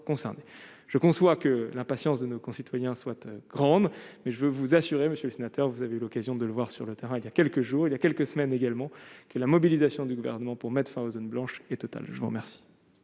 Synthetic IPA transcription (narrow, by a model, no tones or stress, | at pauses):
kɔ̃sɛʁne | ʒ̥əkɔ̃swakəlɛ̃pasjɑ̃sd̪ənokɔ̃sit̪wajɛ̃swat̪ɡ̥ʁɑ̃d̪mɛʒəvøvuzasyʁeməsjøləsenat̪œʁvuzaveylɔkazjɔ̃d̪ələvwaʁsyʁlət̪eʁɛ̃iljakʲɛlkəʒuːʁiljakʲɛlkəsəmɛneɡalmɑ̃kəlamɔbilizasjɔ̃d̪yɡuvɛ̰ʁnəmɑ̃puʁmɛt̪χfɛ̃ozonblɑ̃ʃɛt̪ɔt̪a̰lʒəvuʁə̰mɛʁsi̥